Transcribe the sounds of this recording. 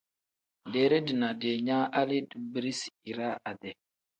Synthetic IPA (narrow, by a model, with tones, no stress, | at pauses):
de˨ɾe˦di˨na˨de˨ɲa˦ʔa˦li˦dbɾi˦si˨ɾa˦a˨dɛ˨